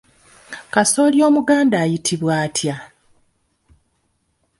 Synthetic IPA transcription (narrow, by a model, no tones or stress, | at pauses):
kaso̞ːljo̞ːmuɡaːndaːjitʰiβwaːtʰja